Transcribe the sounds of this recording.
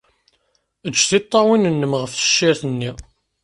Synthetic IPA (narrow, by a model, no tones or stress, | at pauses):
ət͡ʃːθit̪ˤːɑwinənːəmʁəfθə̥ʃːiɾθənːi